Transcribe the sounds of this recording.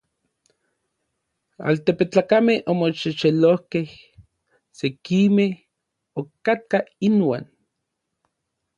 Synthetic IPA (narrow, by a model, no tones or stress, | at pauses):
a̰lt̪epet͡ɬaːkamehomoʃeʃelohkeh | sekimeh | okat̪̚kainwa̰ːn